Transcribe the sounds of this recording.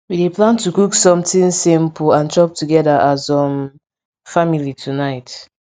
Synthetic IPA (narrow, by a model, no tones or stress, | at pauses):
wideplãntukuksɔ̃mtĩnsĩmpuãnt͡ʃɔp̚tuɡɛdaʔazɔ̃m | familitʰunaɪt